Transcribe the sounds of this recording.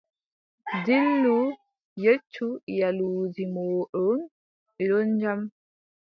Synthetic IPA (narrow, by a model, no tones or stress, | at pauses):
dilːu | jet͡ʃːujaluːd͡ʒimoːɗɔn | ɛɗɔnd͡ʒam